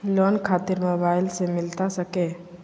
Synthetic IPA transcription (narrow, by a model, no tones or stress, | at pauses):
loːnkʰaːt̪ɪɾmoːbaːɪlsemɪlt̪asəke